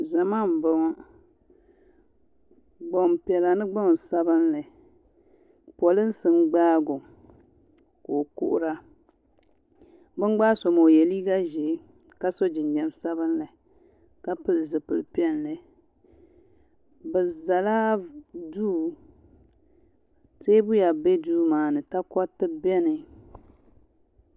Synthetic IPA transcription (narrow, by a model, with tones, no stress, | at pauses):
za˨ma˦˨m̩˨ba˦ŋa˦ | ɡ͡bo˨m˨pɛ˨la˨nɨ˦ɡ͡bɔ˦˨sa˦bɨ˦nlɨ˨ | pɔ˨lɨ˦n̩˦sɨ˨nɡ͡baː˦ɡʊ˨ | ko˨kʊ̰˦ʔʊ˦ɾa˦ | bɨ˦ŋ˦ɡ͡baː˦so˨mo˨jɛ˨liː˦ɡa˦ʒɪ˨˦ | ka˦so˦d͡ʒɪ˨nd͡ʒɛ˦msa˦bɨ˦nlɨ˨ | ka˦pɨ˦lɨ˨zɨ˨pɨ˨lpi˦ɛ˦nlɨ˨ | bɨ˨za˨laː˦duː˦˨ | seː˦bʊ˦ja˨be˦duː˦maː˨nɨ˨ta˦kɔ˦tɨ˦bɛ˦nɨ˨